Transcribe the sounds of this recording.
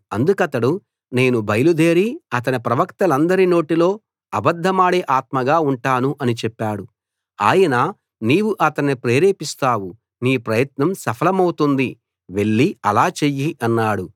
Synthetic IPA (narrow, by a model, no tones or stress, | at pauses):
ɐnd̪ukɐt̪ɐɽu | ne̞ːnubʱɐjɐlud̪e̞ːɾiɐt̪̬ɐnipɾɐʋɐkt̪ɐlɐnd̪ɐɾino̞ːʈilo̞ː | ɐbɐd̪ʱːɐmaːɽeːʔaːt̪̚mɐɡaːuɳʈaːnuʔɐnit͡ʃɛpːaːɽu | a̰ːjɐna | niːwuʔɐt̪ɐnːipɾe̞ːɾeːpist̪aːwu | niːpɾɐjɐt̪nɐmsɐpʰɐlɐmɐwut̪und̪i | ʋe̞ɭːiɐlaːt͡ʃejːiʔɐnːaːɽu